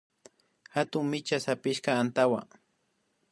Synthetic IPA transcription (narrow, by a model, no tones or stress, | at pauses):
hat̪ʊŋmɪt͡ʃasapɪʃkaːnt̪awa̰